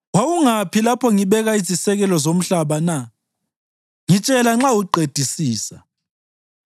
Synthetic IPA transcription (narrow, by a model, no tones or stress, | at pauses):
wawuŋapʰilapʰɔŋiβɛɣaizisɛɣɛlɔzom̩ɬaβana | ŋit͡ʃʼɛlaŋ͡ǁawuǃed̥ʱisiːsa